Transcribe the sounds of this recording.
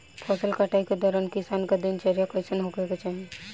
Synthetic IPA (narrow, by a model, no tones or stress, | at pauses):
pʰɔːsəlkaʈaːiked̪ɔːɾənkɪsaːnkad̪int͡ʃɐɾijakɔsənɦokeket͡ʃaːɦije